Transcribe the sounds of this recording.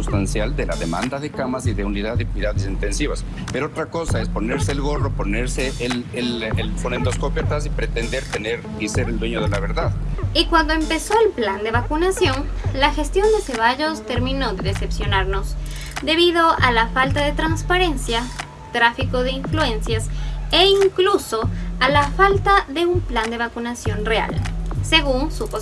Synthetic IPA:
ust̪ansjald̪ela̰ðemã̰nd̪aðe̞kamasiðe̞uniðaðekwiðaðesint̪e̞nsiβas | peɾoot̪ɾako̞saespo̞ne̞ɾseːlɣo̞ro̞po̞neɾseʔelelelfonend̪oskopjat̪asipɾet̪e̞nd̪eɾt̪ene̞ɾ | iseɾeld̪we̞ɲoðe̞laβe̞ɾðaðikwand̪o̞empe̞so̞elpland̪e̞βakunasjo̞nlaxe̞st̪jo̞nd̪ese̞β̞aʝo̞st̪e̞ɾmĩno̞ðe̞ðese̞psjo̞naɾno̞s | d̪e̞β̞iðo̞ʔalafalt̪aðe̞t̪ɾanspaɾe̞nsja | t̪ɾafiko̞ðe̞iɱflue̞nsjaseiŋkluso̞alafalt̪aðe̞umpland̪e̞βakunasjo̞nrea̰lse̞ɣunsupo

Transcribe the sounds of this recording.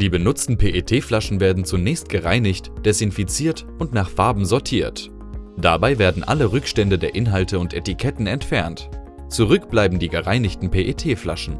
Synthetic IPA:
d̥iːbənʊt͡stn̩pʰeːʔetʰeːflaʃn̩veːɐdn̩t͡sunɛːçst̚ɡ̥əʁaɪnɪçtd̥ɛsɪnfit͡siːɐtʔʊntnaːχfaɐbm̩zɔɐtʰiːɐt | d̥abaɪveːɐdn̩ʔa̰ləʁʏkʃtɛndədeːɐʔɪnɦaltʰəʊntʔɛtikʰɛtn̩ɛntfɛɐnt | t͡suʁʏkb̥laɪbm̩diːɡəʁaɪnɪçtn̩pʰeːʔetʰeːfla̰ʃn̩

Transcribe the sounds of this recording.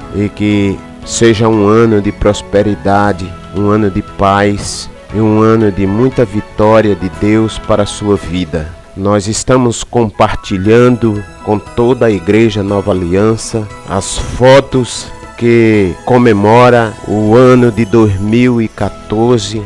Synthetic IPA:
ɪkɪ | seʒɐũɐ̃nʊd̪ɪpɾospeɾid̪ad̪ɪ | ũɐ̃nʊd̪ɪpajs | ũɐ̃nʊd̪ɪmũj̃t̪ɐvit̪ɔɾiɐd̪ɪd̪ewspaɾɐsuɐvid̪ɐ | nɔzɪst̪ɐ̃mʊskõpaɾt͡ʃiʎɐ̃nd̪ʊ | kõt̪od̪ɐiɡɾeʒɐnɔvɐaliɐ̃sɐ | ɐ̰sfɔt̪ʊs | kɪkõmemɔɾɐʊɐ̃nʊd̪ɪd̪ojzmiwɪkat̪oɾzɪ

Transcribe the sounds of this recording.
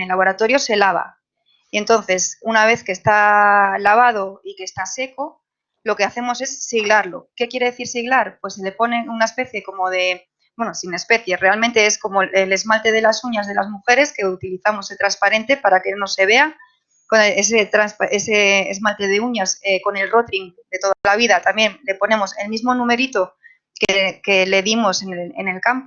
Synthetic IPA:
elːaβo̞ɾat̪o̞ɾjose̞laβ̞a̰ | ie̞nt̪o̞nθe̞sunaβe̞θke̞st̪alaβ̞að̞o̞ikeːst̪ase̞ko̞ | lo̞ke̞aθe̞mo̞se̞sːiɣlaɾlo̞ke̞kje̞ɾe̞ðeθiɾsiɣlaɾpwe̞sele̞po̞ne̞unae̞spe̞θje̞ko̞mo̞ð̞e̞ | bwe̞nosine̞spe̞θje̞re̞almẽnt̪e̞esko̞moele̞zmalt̪e̞ð̞e̞lasuɲazðe̞lazmuxe̞ɾe̞ske̞ut̪iliθamo̞set̪ɾanspaɾe̞nt̪e̞paɾake̞no̞se̞β̞e̞a | kones̬et̪ɾanspaeseːzmalt̪e̞ð̞euɲaseko̞ne̞lro̞t̪ɾiŋd̪e̞t̪o̞ðalaβ̞iðat̪ambje̞nle̞po̞ne̞mo̞se̞lmizmo̞nũme̞ɾit̪o̞ | keke̞le̞ðimo̞senḛne̞lkampo

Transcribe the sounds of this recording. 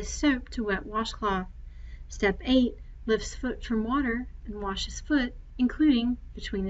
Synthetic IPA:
ɨ̥soʊp̚tʰəwɛp̚wɑʃkʰl̥ɔθstɛpeɪt̚ | lɪfsfʊtfɹʌ̃mwɔɾə̃˞ | n̩wɑʃɨz̥fʊɾ | ɨ̃nkʰl̥ʉɾɪ̃ŋb̥ɨtʰw̥ĩn

